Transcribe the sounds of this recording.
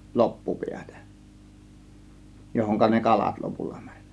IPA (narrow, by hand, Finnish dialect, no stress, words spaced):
lopːupiætæ̥ johoŋkɑ ne kɑlɑt lopulːɑ mæ̥n̥ʲ